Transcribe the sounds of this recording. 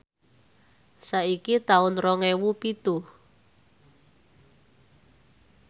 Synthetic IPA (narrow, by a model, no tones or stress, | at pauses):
saikit̪aʊnrɔŋewupit̪u